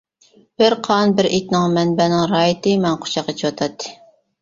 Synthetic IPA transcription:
b̥ɪɾqʰɑnbɪɾet̪nɪŋmɛnbɛnɪŋɾɑːjit̪ɨmɛnqʰo̥t͡ʃʰɑqːet͡ʃʰiwɑt̪ʰɑt̪ʰːɨ̥

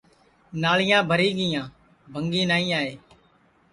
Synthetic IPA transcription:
naːɭɪjãːbʱəɾiːɡɪjãː | bʱəŋɡiːnaːĩːaːeː

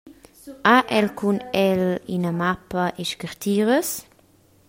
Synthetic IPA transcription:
aʔɛlkʰunɛlinəmapəʔɛʃkəɾt̪ʰiːɾəs

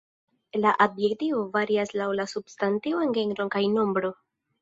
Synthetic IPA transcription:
laʔobje̞ktio̞vaɾiaslawlasubstantioe̞nɡe̞ŋɾo̞nkajno̞mbɾo̞

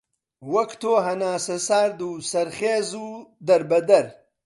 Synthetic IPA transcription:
wɐkt̪ʰoːɦɐnaːsɐsaːɾd̪uːsɐɾχeːzuːd̪ɐɾbɐd̪ɐɾ

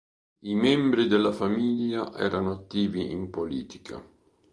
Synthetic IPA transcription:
imɛmbɾid̪elːafamiʎːaʔɛ̰ːɾanoat̪ːiːviimpoliːt̪i̥kʰa̰

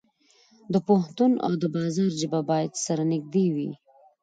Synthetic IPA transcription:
d̪əpʊht̪una̰wd̪əbɑzɑɾd͡ʒɪbabɑjad̪saɾanɪɡ̚d̪ewḭ

